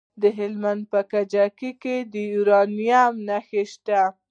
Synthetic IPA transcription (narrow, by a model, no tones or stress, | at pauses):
d̪əɦɪlmand̪̚pəkad͡ʒakiked̪əjuɾɑnijamnaxeʃt̪a